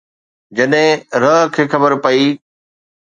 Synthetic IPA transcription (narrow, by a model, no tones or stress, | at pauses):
d͡ʑɐɗɦɪ̃ɾɐɦkʰeːxɐbəɾpɐiː